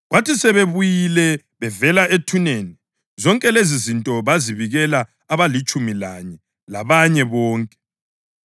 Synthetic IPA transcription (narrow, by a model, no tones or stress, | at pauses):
ɣwatisɛβeβujilɛ | βɛvɛlaetʰuneni | zɔŋkʼɛlezizintʼɔβaziβiɣɛlaː | βalit͡ʃʼumilaɲɛ | laβaɲɛβɔːŋkʼɛ̥